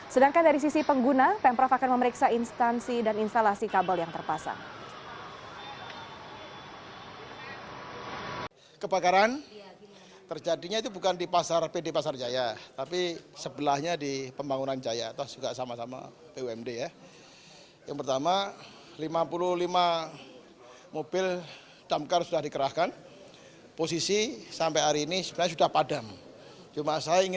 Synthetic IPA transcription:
sədaŋkandaɾis̬isipəŋɡunapɛmpɾɔfakanməməɾiksainst̪ansidaninst̪alasikabəljaŋt̪ərpasa̰ŋ | kəbakaɾan | t̪ərd͡ʒadiɲait̪ubukandipasarpedepasard͡ʒajat̪apisəbəlahɲadipəmbaŋunand͡ʒajat̪ad͡ʒuɡaʔsamasama̰ | peuɛmdeja | ja̰ŋpərt̪ama | limapuluhlima | mobɪl | d̥amkarsudahdikəɾaskan | posisisampajɦaɾiːnisəbənaɲasudahpadam | t͡ʃumasajaiŋɪ

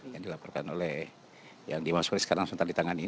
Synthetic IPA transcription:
jadilapɔrkanolɛh | jaŋdimasuklisə̥kaɾaŋsənt̪ardit̪aŋani

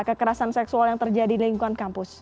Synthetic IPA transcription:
kəkəɾasansɛksualjaŋt̪ərd͡ʒadiliŋkuankampʊs

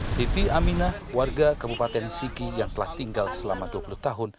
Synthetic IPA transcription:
sit̪iamina | warɡakəbupat̪ɛnsikijaŋt̪əlaht̪iŋɡalsəlamaduapuluht̪aɦʊn

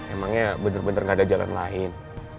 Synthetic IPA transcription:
emaŋɲabənərbənərŋɡaːdad͡ʒala̰nla̰ɪn

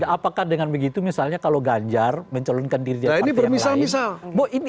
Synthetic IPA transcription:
aʔːpakahdəŋanbəɡit̪umisalɲakaloɡaɲd͡ʒarməɲt͡ʃɔlɔnkandiɾidaainibərmisalmisalboini

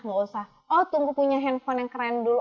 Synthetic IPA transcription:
ŋɔusah | ɔt̪uŋɡupuɲaɦɛnfɔnɛŋkəɾandulu

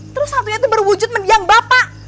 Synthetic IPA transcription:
t̪əɾʊsːant̪uɲait̪ubərwud͡ʒʊt̪̚məndiaŋbapaʔ

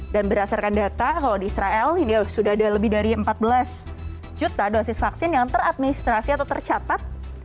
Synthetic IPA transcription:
danbəɾasarkandat̪akaladiisɾaɛlinisudaɦadaləbɪhdaɾiəmpat̪̚bəlas | d͡ʒut̪adosɪsfaksɪnjaŋt̪əɾat̪̚minist̪ɾasiat̪awt̪ərt͡ʃat̪at̪̚

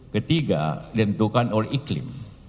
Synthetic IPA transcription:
kət̪iɡa̰dənt̪ukanoliklɪ̰m

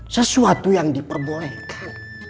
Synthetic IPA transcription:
səsuat̪ujaŋdipərbolɛkʰan

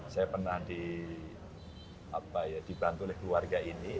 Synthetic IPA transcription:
sajapərnahdi | apajad̥ibant̪ulɛhkluwarɡaʔini

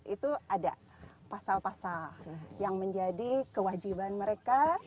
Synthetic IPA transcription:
it̪uada̰ | pasalpasaljaŋməɲd͡ʒadikəwad͡ʒibanməɾeka

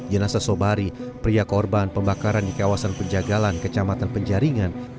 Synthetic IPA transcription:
d͡ʒənasasobaɾipɾiakɔrbanpəmbakaɾandikawasanpəɲd͡ʒaɡalankət͡ʃamat̪anpəɲd͡ʒaɾiŋan

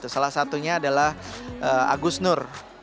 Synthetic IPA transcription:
t̪usalahsat̪uɲaːdalahʔəa̰ɡusnʊr

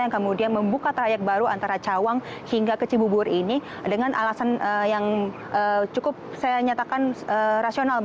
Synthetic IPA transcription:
jaŋkəmudianməmbukat̪ɾajɛk̚baɾuʔa̰nt̪aɾat͡ʃawaŋhiŋɡakət͡ʃibubʊɾini | dəŋanʔa̰lasanəjaŋ | ʔət͡ʃukʊp̚sajaɲat̪akanəːɾasional

